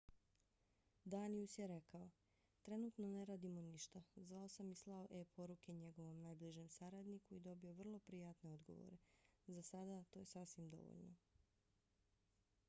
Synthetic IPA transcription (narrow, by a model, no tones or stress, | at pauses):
d̪aniusjeɾe̞kao̞ | t̪ɾe̞nut̪no̞ne̞ɾaːd̪imo̞niʃt̪azʋao̞samislˠaoʔepʰo̞ɾuke̞ɲe̞ɡo̞ʋo̞mnajbliʒe̞msaɾad̪nikuid̪o̞bio̞ʋr̩lˠo̞pɾijat̪ne̞o̞d̪ɡo̞̰ʋo̰ɾe̞zasad̪at̪o̞je̞sasʋimd̪o̞̰ʋo̰ʎno